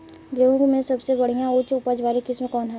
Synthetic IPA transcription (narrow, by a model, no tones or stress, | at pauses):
d͡ʒeũkmẽsɐbsebɐɽ̤ijãʊt͡ʃʊpəd͡ʒʋaːɾikɪsmẽkɔːnɦɛ